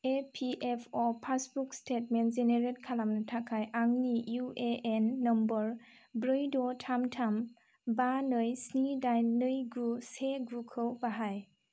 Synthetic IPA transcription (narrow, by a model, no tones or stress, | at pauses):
epʰiʔepʰɔpʰasbukstʰet̚menzeneɾet̚kʰalamnɯtʰakʰajʔaŋnijueenːɔmbɔɹ | bɾɯjdɔtʰamtʰam | banɯjsnidajnɯjɡuseɡukʰɯwbaɦaj